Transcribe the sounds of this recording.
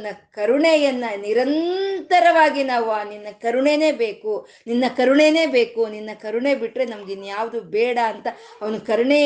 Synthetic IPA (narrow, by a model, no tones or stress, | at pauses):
nɐkɐɾuɳejɐnːɐniɾɐnt̪ɐɾɐʋaːɡinaːʋuaninːɐkɐɾuɳene̞ːbeːku | ninːɐkɐɾuɳene̞ːbeːkuninːɐkɐɾuɳe̞biʈːɾe̞nɐmɐɡenjaːʋɐd̪ubɛːɽɐːnt̪ɐɐʋɐnɐkɐɾuɳe